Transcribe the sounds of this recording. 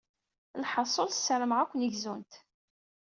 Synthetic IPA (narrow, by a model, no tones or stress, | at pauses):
lħəsˤːolθsːəɾəmʁækʷːənəʝzunt̪